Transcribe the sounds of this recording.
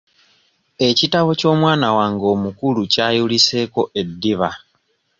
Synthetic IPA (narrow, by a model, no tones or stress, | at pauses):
e̞citaβo̞co̞ːmwaːnawaːŋɡo̞ːmukulucaːjulise̞ːko̞ʔe̞dːiβa